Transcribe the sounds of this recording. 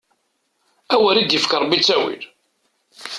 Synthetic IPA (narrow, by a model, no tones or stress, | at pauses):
æwæɾid̪jəfkəɾˤbit͡sːæwḭl